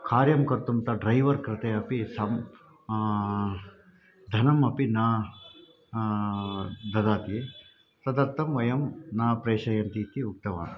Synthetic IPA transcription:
kʰaːɾjɐmkɐɾt̪umt̪ɐɖɾɐjʋɐɾkɾɪt̪eːɐpisɐm | d̪ʱɐnɐmɐpinaː | d̪ɐd̪aːt̪ije | sɐd̪ɐɾt̪ʰɐmʋɐjɐmnaːpɾeːʃɐjɐnt̪iːt̪iuk̚t̪ɐʋa̰ːn

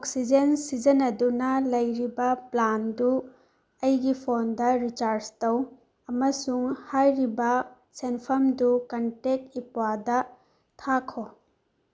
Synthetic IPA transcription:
oksid͡ʒensid͡ʒɐnɐdunɐlɐjɾibɐplandu | ɐjɡipʰondɐɾit͡ʃaɾstɐw | ɐmɐsuŋhajɾibɐ | senpʰɐmdukɐntek̚ipwadɐ | tʰakʰo

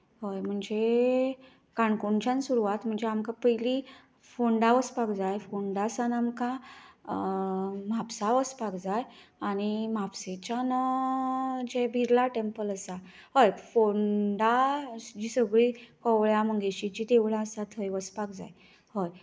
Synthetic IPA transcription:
ɦəjm̤əɳd͡ze | kaɳkuɳt͡ɕãnsuɾuʋat̪m̤əɳd͡zeamkapəjli | foɳɖaʋəspakd͡zajfoɳɖasanamka | mapsaʋəspakd͡zajaɽ̃imapset͡ɕanə | d͡ʑebʱiɾlaʈempələsa | həjfoɳɖad͡ʑisəɡɭiːkɔʋɭjaməɡeɕit͡ɕit̪eʋɭaəsat̪ɦəjʋəspakd͡za̰j | həj

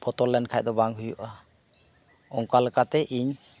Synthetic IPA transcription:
pʰɔt̪ɔlɛnkʰajd̪ɔbaŋɦujuʔa | ɔŋkalkat̪ɛʔiɲ

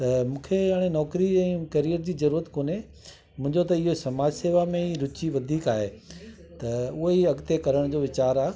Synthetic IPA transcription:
t̪ɐmũːkʰeaːɽ̃enɔːkɾiɛ̃ːkɐɾijəɾd͡ʑiːzɐɾuːɾət̪koːne | mʊ̃ɦɪ̃ɲd͡ʑot̪ɐɪɦosɐmaːd͡ʑseːʋamẽiɾʊt͡ɕiʋɐd̪ʱiːkaːɦe | t̪ɐʊɦeiɐɡt̪ekɐɾəɽ̃d͡ʑoːʋɪt͡ɕaːɾaː

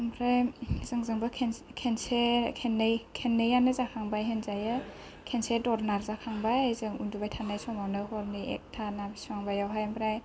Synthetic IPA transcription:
mbʰɾajzɯŋzɯŋbakʰenkʰensekʰenːɯjkʰenːɯjanɯzakʰaŋbajɦenzajɯ | kʰensedɔɾnaɾzakʰaŋbajzɯŋundubajtʰanajsɔmawnɯɦɔɾniḛk̚tʰanabisuaŋbajawɦajmbʰɾaj

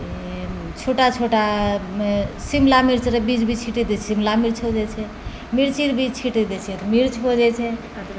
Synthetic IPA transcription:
t͡ʃʰoʈat͡ʃʰoʈa | simlamiɾt͡ʃɾebid͡ʒbʱit͡ʃʰiʈid̪ɛt͡ʃʰsimlamiɾt͡ʃʰod͡ʒɛt͡ʃʰɛ | miɾt͡ʃiɾbʱid͡ʒt͡ʃʰiʈid̪ɛt͡ʃʰiɾmiɾt͡ʃʰbod͡ʒɛt͡ʃʰɛ

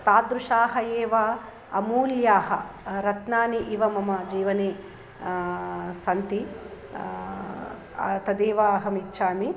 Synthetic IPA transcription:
t̪aːd̪ɾuʂaːɦɐjeːʋaː | ɐmuːljaːɦɐ̰ɾɐt̪naːniʔiʋɐmɐmɐd͡ʒiːʋɐneː | sɐnt̪i | t̪ɐd̪eːʋaːɦɐmitːʃʰaːmi

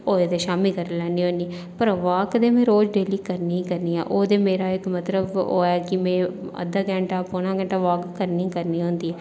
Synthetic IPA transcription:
oːeːd̪eːʃaːmikəɾlɛːniːɦoːniː | pəɾʋaːkd̪eːmẽːɾoːd͡ʒɖeːliːkəɾniːkəɾniːɛ̰ːʔoːd̪eːmeːɾaːɪkmət̪ləbo̰ːɛːkɪmɛ̃ːə̰d̪əɡɛ̃ːɳʈaːpoːñãːɡə̃ɳʈaːʋaːkkːəɾnĩːkəɾniːɦõːnd̪iːɛː

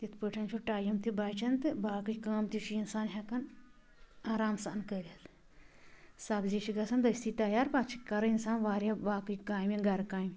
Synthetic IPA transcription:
t̪it̪ʰpɨʈʰɐnt͡ʃʰuʈaːjɐmt̪ibaːt͡ʃʰɐnt̪ɨbaːkɨt͡ʃkaːmt̪it͡ʃʰuinsaːnɦʲɐkɐn | aːɾaːmsaʔnkəlɐl | sɐbziʃiɡɐsɐnd̪ɐst̪ʰit̪ɐjaːɾpat͡ʃʰi̥kɐɾɐinsaːnʋaːɾjabaːkɨkaːjminɡɐɾkaːim

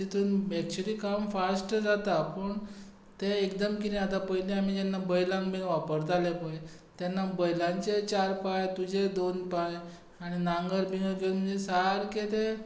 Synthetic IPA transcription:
it̪uːnbɛk̚t͡ɕəɾiːkamfasʈəd͡zat̪apəɳ | t̪eekd̪əmkinĩat̪apəɦileam̤id͡ʑɛnːabəjlãŋkbʱĩŋɡʋapəɾt̪alepəje | t̪jɛnːabəjlãɲt͡ɕet͡ɕaɾpajt̪ud͡ʑʱed̪onpaj | aɽ̃inaŋɡəɾbiŋɡəkem̤ənd͡zesaɾket̪e

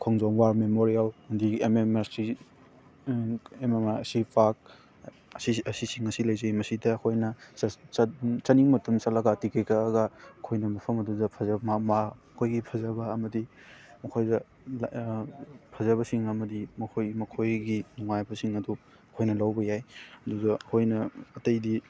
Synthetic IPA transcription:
kʰɔŋzɔŋwamemoɾijaldiememasi | ememaɐsipʰak̚ | ɐsiɐsisiŋɐsilɐjzɐimɐsidɐːkʰojnɐ | t͡ʃɐniŋmɐtʰɐmsɐlɐɡatikʰajkʰɐːɡɐɐkʰojnɐmɐpʰɐmɐdudɐpʰɐzɐmama | kʰojɡipʰɐzɐbɐːmɐdi | mɐkʰojdɐ | l | pʰɐzɐβɐsiŋɐmɐdimɐkʰojmɐkʰojɡinuŋajbɐsiŋɐdu | ɐkʰojnɐlawbɐjajɐdudɐɐkʰojnɐɐtɐjdi

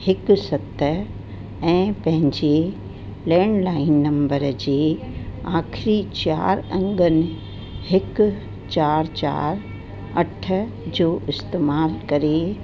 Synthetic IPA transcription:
hɪksɐt̪ə | ɛ̃ːpɐ̃ɦɪ̃ɲd͡ʑe | lɛːñlaːɪnːɐ̃mbəɾd͡ʑeːaːxʰɪɾit͡ɕa̰ːɾɐ̃ŋɡənɪ̆ | hɪk | t͡ɕaːɾt͡ɕa̰ːɾ | ɐʈʰə̆ | d͡ʑoːʔɪst̪eːmaːlkɐɾe

